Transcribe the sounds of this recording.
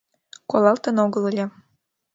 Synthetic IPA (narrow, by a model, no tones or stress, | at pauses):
kolˠɑlt̪ɤ̆noɡɤ̆lˠɤlʲɤ̆